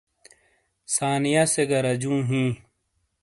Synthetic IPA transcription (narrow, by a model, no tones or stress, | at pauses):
saːnijaːseɡɐɾɐd͡ʑũːɦĩː